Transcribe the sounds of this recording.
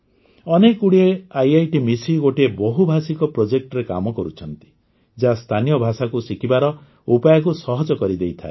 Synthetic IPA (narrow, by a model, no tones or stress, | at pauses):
ɔnekuɽieajajʈimisiɡoʈiebɔɦubʱasikɔpɾod͡ʒek̚ʈɔɾeka̰mɔkɔɾut͡ʃʰɔnt̪i̥ | d͡ʒast̪ʰanijɔbʱasakusikʰibaɾɔ | upajɔkusɔɦɔd͡ʒɔkɔɾid̪ejt̪ʰae